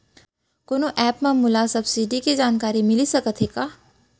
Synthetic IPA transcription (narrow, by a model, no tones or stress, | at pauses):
konoʔɛːpmẽmʊlasɐbsiɖikid͡ʒaːnkaːɾimɪlisɐkət̪ʰɦeːɡaː